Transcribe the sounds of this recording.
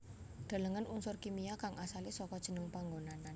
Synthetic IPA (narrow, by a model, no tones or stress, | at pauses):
d̪̥a̤ləŋənunsʊrkimijakaŋʔasalisɔkɔd̥ʒ̥ə̤nəŋpaŋɡonanan